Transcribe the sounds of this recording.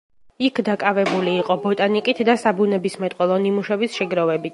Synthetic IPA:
ikʰd̪akʼavɛbuliːqʼɔbɔt̪ʼanikʼit̪ʰd̪asabunɛbismɛt̪ʼqʼɛlˠɔnimuʃɛbisʃɛɡɾɔvɛbit̪

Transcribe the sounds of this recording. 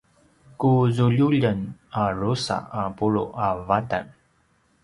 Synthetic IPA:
kuzuʎuʎənarusa̰apuɭṵʔavata̰n

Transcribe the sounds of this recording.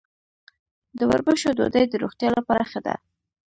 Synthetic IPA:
d̪əwa̰ɾbəʃod̪o̰d̪əjd̪əɾoxt̪jɑlapɑɾaxad̪a̰

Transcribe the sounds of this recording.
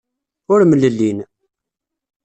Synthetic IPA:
ʊɾmlːəlːin

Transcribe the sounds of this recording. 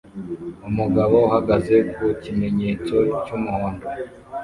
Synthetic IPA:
umuɡaβo̞uhaɡaze̞kucime̞ɲeːt͡so̞cumuhoːndo

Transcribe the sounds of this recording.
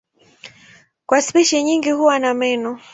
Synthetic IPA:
kwaspɛʃɛɲiŋɡihuwanamɛnɔ

